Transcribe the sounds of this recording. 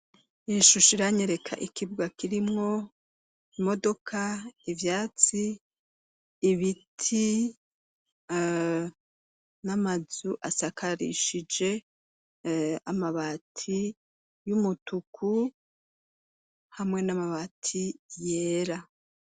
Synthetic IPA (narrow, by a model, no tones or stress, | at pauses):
iʃuʃiɾaɲeɾe̞kʰa̰ʔikibɡakiɾimŋo̞ | imo̞do̞kʰaivjaːt͡si | βitʰi | namazuʔasakʰaɾḭʃid͡ʒe̞ | amaβatʰi | jumutukʰu | hamŋe̞namaβatʰije̞ːɾa